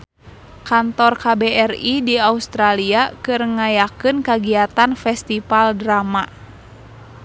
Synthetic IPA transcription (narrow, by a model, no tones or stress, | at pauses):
kant̪ɔrkabɛɛridiaust̪ɾaliakɨrŋajakɨnkaɡiat̪anfɛst̪ifaldɾama